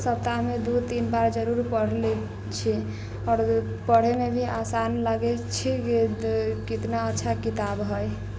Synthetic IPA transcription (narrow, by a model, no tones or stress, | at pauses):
səp̚t̪amed̪ut̪inbaɾd͡ʒəɾuɾpəɽ̤lɛ | t͡ʃʰi | ɔːɾ | pəɽ̤emebʱiasanlaɡɛt͡ʃʰikekit̪naətːʃʰakit̪abɦəj